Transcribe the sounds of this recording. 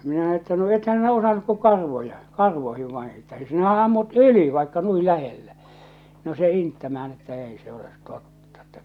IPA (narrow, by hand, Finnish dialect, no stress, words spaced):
minæ etːæ no ethæn̞ sinæ osɑnuk ku kɑrʋojɑ kɑrʋoihiʋ ʋɑin̞ etːæ sinæhæ ɑmːut yli ʋɑikːɑ nui læhelːæ no se intːæmææn etːæ eˑi se olet totːɑ̥ etːæ